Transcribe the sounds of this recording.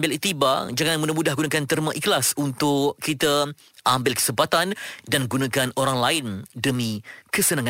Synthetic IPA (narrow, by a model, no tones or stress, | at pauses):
mbɪlit̪ibad͡ʒaŋãnmũdamudahɡunakant̪ərmãʔiklasunt̪ʊʔkit̪ə | ambɪlkə̥səmpat̪andanɡunãkanoɾaŋlaɪndəmĩkəsənãŋã